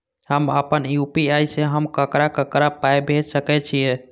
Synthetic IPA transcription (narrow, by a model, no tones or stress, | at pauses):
həməpənjupiajseɦəmkəkɾakəkɾapajbʱed͡ʒsəkɛt͡ʃʰije